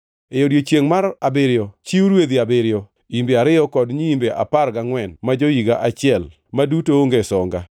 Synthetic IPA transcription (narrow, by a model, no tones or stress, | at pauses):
ejodjot͡ʃjeŋmaɾabeɾjɔt͡ʃiuɾwed̪iabeɾjɔ | imbeaɾɪɔkɔdɲiːmbeʔa̰paɾɡaŋwɛnmad͡ʒojiɡaʔat͡ʃɪɛl | madutoːŋɡesɔŋɡa